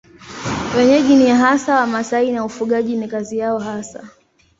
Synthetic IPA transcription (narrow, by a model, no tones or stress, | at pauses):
wɛɲɛʄiniaɦasawamasainaufuɠaʄinikazijaɔɦasa̰